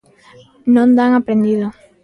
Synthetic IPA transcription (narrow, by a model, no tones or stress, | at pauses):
nõnd̪aŋapɾẽnd̪iðo